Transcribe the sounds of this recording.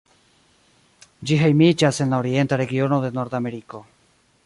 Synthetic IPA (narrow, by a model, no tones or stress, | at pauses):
d͡ʒiɦe̞jmid͡ʒase̞nlaoɾie̞ntaɾe̞ɡio̞no̞d̪e̞no̞ɾd̪ame̞ɾiko̞